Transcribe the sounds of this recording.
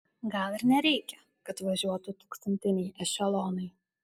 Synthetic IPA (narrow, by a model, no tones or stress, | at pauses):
ɡɐlˠɪɾnʲɛɾʲɛɪkʲɛ | kɐt̪ʋɐʒʲuɔt̪ʊt̪uːkst̪ɐnʲt̪ʲɪnʲɛjɛʃʲɛlˠoːnɐɪ